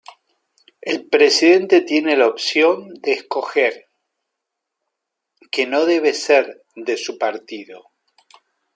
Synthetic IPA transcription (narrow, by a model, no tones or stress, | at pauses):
elpɾe̞siðe̞nt̪et̪je̞ne̞laopsjo̞nd̪eːsko̞xeɾ | keno̞ðe̞β̞e̞seɾ | ðesupaɾt̪iðo